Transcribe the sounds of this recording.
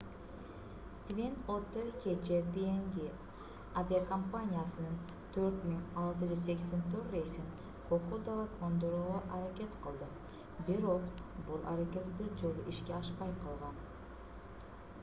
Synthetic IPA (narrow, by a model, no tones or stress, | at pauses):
t̪mʲinot̪ːeɾkʲʰed͡ʒeɾd̪ieŋɡi | avʲiakɐmpanʲijasɯnɯn | t̪ʰøɾt̪miŋɑlˠt̪ɨd͡ʒyzse̞kʲse̞nt̪ʰøɾejsin | kʰoqud̪alˠakond̪oɾuːʁoʔaɾakʲe̞t̪qʰɯlˠd̪ɨ | biɾo̞qbulˠʔa̰ɾakʲe̞t̪b̪ud͡ʒo̞lˠuʔiʃkʲeɑʃpɑjqʰɑlˠʁɑn